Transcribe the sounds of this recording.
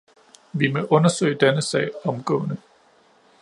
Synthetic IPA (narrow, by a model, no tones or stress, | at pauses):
ʋimɔʔɔ̽nɐsø̰ɪ̰d̥enəsɛ̰ːɪɒ̽mɡ̥ɔ̰̽ːnə